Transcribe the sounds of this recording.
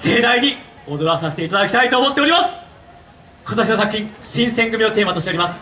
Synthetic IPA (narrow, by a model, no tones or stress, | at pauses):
se̞ːd̪aiɲ̟i | o̞d̪o̞ɾasaset̪e̞it̪ad̪akʲit̪ait̪o̞ːmo̞t̪ːe̞o̞ɾʲimasɨ̥ | kot̪aɕ̬ʲino̞sakɯ̟̥çʲĩŋɕĩɰ̃sẽ̞ŋɡɯ̟mʲiot̪e̞ːmat̪oɕit̪eoɾimasɨ̥